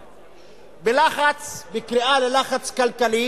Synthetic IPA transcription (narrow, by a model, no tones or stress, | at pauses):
belaχat͡sbekɾiʔalelaχat͡skalkali